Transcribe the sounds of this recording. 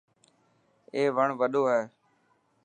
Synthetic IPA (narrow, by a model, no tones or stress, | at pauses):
eːʋəɳʋəɗoːɦɛː